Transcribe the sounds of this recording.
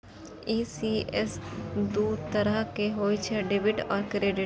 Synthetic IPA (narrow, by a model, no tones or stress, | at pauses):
iːsiːʔɛsd̪uːd̪t̪ɐɾəɦkeɦoːit͡ʃʰeɖeːʋɪʈɔːɾkɾeːɖɪʈ